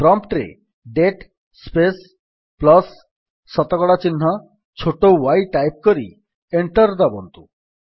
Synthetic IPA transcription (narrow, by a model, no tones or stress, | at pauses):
pɾɔmpʈɾḛ | ɖeʈ | spes | plɔsː | ɔt̪ɔkɔɽat͡ɕinːɔ | t͡ɕʰoʈowajʈajp̚koɾi | eɳʈɔɾd̪ɔbɔnt̪u